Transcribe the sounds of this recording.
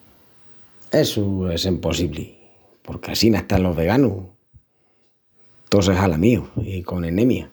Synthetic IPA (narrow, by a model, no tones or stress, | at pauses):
e̞suesimpo̞siβlḭ | po̞ɾkea̰sinaht̪alo̞ɦβe̞ɣ̞anu | t̪os̬eɦalamiuiko̞nẽnẽ̞mja